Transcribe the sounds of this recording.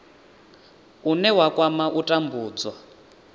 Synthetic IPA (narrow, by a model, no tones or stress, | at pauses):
unɛwakʼwamaʔutʼambuːd͡zwa